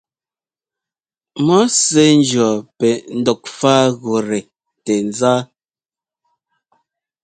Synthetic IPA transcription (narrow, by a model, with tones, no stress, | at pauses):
mɔ˦se˨˦n˦d͡ʒɰɔ˨pɛ˨n̩˦dɔ˨k̚faː˦ɣo˨ɾe˨ | te˨n˨˦zaː˦